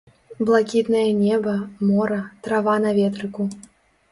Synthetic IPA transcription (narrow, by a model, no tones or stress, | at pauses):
blˠakʲit̪nɐjɐnʲɛbɐmɔɾɐt̪ɾavanɐvʲɛt̪ɾɨku